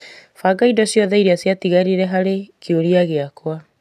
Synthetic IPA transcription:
faɡaidɔsjɔðɛiɾeasjatiɣaɾiɾɛɦaɾekjoɾiaɣeakwa

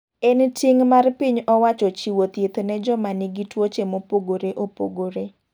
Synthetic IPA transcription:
ɛntiŋmarpiɲɔwat͡ʃɔt͡ʃiwot̪jet̪nɛd͡ʒɔmaniɡitwot͡ʃemopoɡoɾeʔopo̰ɡoɾe

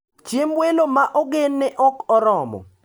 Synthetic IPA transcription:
t͡ʃemwelomaʔɔɡenːɛʔɔkɔɾɔmɔ̰

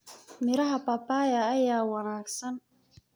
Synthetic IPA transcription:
mɪɾɐɦɐpɐpaːjɐːjaːwɑnaːɡsɐn

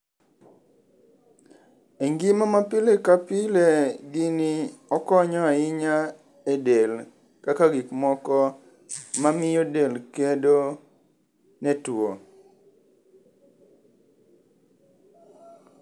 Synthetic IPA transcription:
eŋɡimamapɪlekapɪleɡiniɔkɔɲɔaɪɲa | edel | kakaɡikmɔkɔ | mamɪjodelkedo | nɛtwo

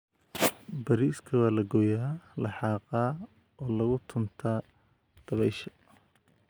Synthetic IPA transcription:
bɐɾiːskʰɐwaːlɐɡɔːjaːlɑħɑːqɑː | ɔːlɐɣʊt̪ʰʊnt̪ʰaː | d̪̥ɐβɛjʃɐ̥

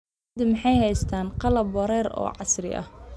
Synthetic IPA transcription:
d̪ɪmɪħɑjhɛjst̪ʰaːnqɑlɐbwɐɾɛːɾɔ̰ːʕɑsrɪ̰ʔɐ̰h

